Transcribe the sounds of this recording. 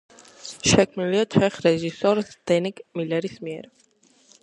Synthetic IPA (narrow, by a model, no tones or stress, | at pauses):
ʃɛkʰmniliat̪ʰɛχɾɛʒisɔɾsd̪̥ɛnikmilɛɾismiɛɾ